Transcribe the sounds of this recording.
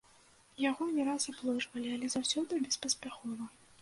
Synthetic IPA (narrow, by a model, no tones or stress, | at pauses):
jaɣɔnʲɛɾasablˠɔʐvɐlʲialʲɛzawsʲɔd̪ɨbʲɛspɐsʲpʲaxɔvɐ